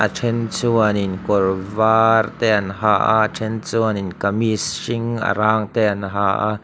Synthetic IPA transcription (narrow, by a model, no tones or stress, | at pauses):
ʔaʈ͡ʂʰɛnt͡suəninkɔrvaːrt̪ɛʔɐnɦaʔa̰ʈ͡ʂʰɛnt͡suəninkɐmisʃiŋa̰ɾaːŋt̪ɛʔɐnɦaʔa